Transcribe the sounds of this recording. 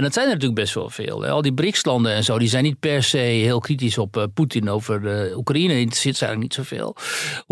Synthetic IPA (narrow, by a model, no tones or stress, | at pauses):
ɛndɔtsɛjnənətyːələkbɛstʋɔ̰lˠfɪ̰ːlˠɛ̰ɔlˠdibrɪxslɑndənɛnzoːdizɛjnːit̚pɛɹsejɦɪəlˠkrit̬isɔpputinoːvərəukrainəɪnsɪtsɛ̰jɣŋləknitsofḛːlˠ